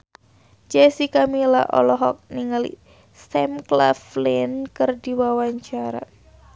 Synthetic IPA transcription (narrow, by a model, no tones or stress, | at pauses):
d͡ʒɛsikamila̰ʔɔ̰lɔɦɔk̚niŋalḭ | sɛmkla̰flinkɨrdiwawaɲt͡ʃaɾa̰